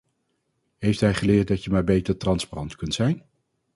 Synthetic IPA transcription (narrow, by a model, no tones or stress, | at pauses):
ɦejftɦɛjχəlɪːɹt̚dɑtjəmaːɹbejtəɹtrɑnsparɑntkɵntsɛjn